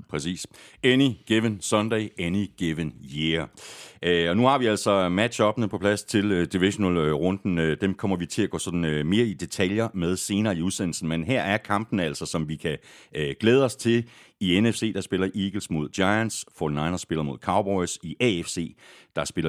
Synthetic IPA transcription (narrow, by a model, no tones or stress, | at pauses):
pʰʁɛsḭːseniɡ̥eʋənsɒnd̥ɛɪeniɡ̥eʋənjeɐʔɒ̽nuhɑ̈ʋiæl̰sɒ̽mæd̥ɕɒ̽b̥nəpʰɒ̽pʰlæst͡sʰe̝ld̥iʋiɕo̝nɛlʁɔ̽nd̥n̩d̥emkʰɒ̽m̰ɐʋit͡sʰe̝læɡ̥ɔ̰̽ːsɒ̽d̥n̩øme̝ːɐid̥e̝t͡sʰæljɐmeð̞ˠse̝ːnɐːiuðˠsen̰l̩sn̩menɦæɐ̰æɐkʰɑ̈mb̥n̩æl̰sɒ̽sɒ̽mʋikʰæɡ̥leːð̞ˠəɒ̽st͡sʰe̝l | ienefse̝̰ːd̥ɑ̈sb̥e̝lɐʔiːɡ̥l̩smo̝ð̞ˠdjɑ̈ɪænsfɒːd̥nɑ̈ɪnʁɐsb̥e̝lɐmo̝ð̞̰ˠkʰɑ̈ʊb̥ɒɪsiʔɛefse̝̰ːd̥ɑ̈sb̥e̝lɐ